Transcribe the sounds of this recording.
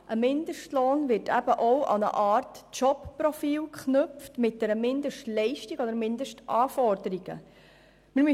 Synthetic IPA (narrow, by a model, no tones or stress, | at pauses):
ʔəmɪndəʃtloːnvɪɾtæ̰b̥əʔowʔɑ̰nə̰ʔɑːrtt͡ʃɔpprɔfiːlkχnɵftmɪt̚d̥ɛɾəmɪndəʃtlɛɪʃtiɡɔd̪əɾmɪndəʃtʔɑːfɔɾdəɾiɡ̥ə̰ | mɪɾm